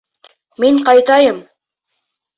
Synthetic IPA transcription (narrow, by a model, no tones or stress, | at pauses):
miɴqɑjt̪ɑjɤm